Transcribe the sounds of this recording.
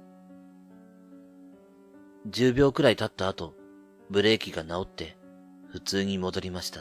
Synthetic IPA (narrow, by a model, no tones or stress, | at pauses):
d͡ʑɨːbʲjo̞ːkɯ̟ɾait̪at̪ːaːt̪o̞ | bɯ̟ɾe̞ːkʲiɡanao̞t̪ːe̞ | ɸɯ̟t͡sɨːɲ̟imo̞d̪o̞ɾʲimaɕi̥t̪a